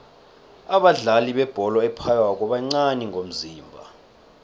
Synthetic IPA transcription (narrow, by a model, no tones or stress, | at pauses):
aɓaɮaliɓɛb̥ʱɔlɔɛpʰajwak̬ʼɔɓaŋ͡ǀaniŋʱom̩ziːmbʱa̰